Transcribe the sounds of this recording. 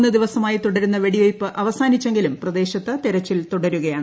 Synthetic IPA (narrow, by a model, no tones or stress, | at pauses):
nːɨd̪iʋɐsɐmaːjit̪uɽɐɾunːɐʋe̞ɽiʋɐjpːɨʔɐʋɐsaːnit͡ɕːe̞ŋɡilumprɐd̪e̞ːɕɐt̪ːɨt̪iɾɐt͡ɕːilt̪uɽɐɾuɣɐjaːɳɨ